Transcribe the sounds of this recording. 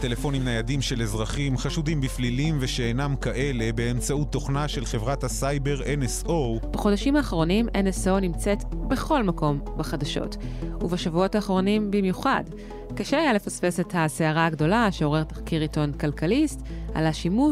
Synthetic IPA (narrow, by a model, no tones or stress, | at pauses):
telefo̞nimnajadimʃe̞lezʁaχimχaʃudimbiflilimveʃeenamkaʔe̞le̞be̞ːmt͡saut̪ːo̞χnaʃe̞lχe̞vʁathasajbe̞ʁenesob̥aχo̞daʃimaːχʁo̞nimʔeneso̞nimt͡se̞tbe̞χo̞lmako̞mbeχadaʃo̰tuvaʃavuo̞taːχʁo̞nimbimjuχad | kaʃeajalefasfe̞se̞thaseaʁaːɡdo̞laʃeo̞ʁe̞ʁt̪ḁχkiʁito̞nkalkalista̰laʃimu